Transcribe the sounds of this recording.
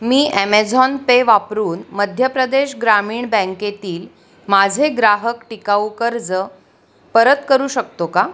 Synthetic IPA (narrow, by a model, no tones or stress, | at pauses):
miːʔemed͡zɔnpeʋapɾuːnməd̪ʱjəpɾəd̪eɕɡɾamiːɳbə̃ŋket̪iːl | mad͡zʱeɡɾaɦəkʈikaukəɾd͡zə | pəɾət̪kəɾuːɕək̚t̪oka